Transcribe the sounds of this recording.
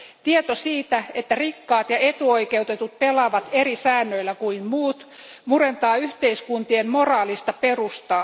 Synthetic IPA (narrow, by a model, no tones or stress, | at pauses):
t̪iet̪osiːt̪æet̪ːærikːɑːt̪jɑet̪uo̞ike̞ut̪et̪ut̪̚pe̞lɑːʋɑt̪eɾisæːnːøilːækuimmuːt̪ | murent̪ɑːyht̪eiskunt̪iemmo̞rɑːlist̪ɑpe̞rust̪ɑ